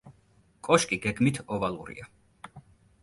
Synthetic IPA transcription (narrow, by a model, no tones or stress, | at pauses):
kʼɔʃkʼiɡɛɡmit̪ʰɔvalˠṵɾḭa